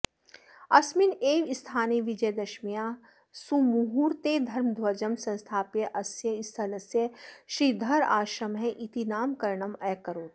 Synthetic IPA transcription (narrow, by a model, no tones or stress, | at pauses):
ɐsmɪneːʋɪst̪ʰaːneʋɪd͡ʒɐjd̪ɐʃmijaː | sumuɦuːɾt̪ed̪ʱɐɾmd̪ʱwɐd͡ʒəmsɐ̃nst̪ʰaːpjəʔɐsjəɪst̪ʰɐlɐsjəʃɾid̪ʱɐɾaːʃɾɐmɦɛ̃ʔit̪inaːmkɐɾɳɐmɐkːɐɾoːt̪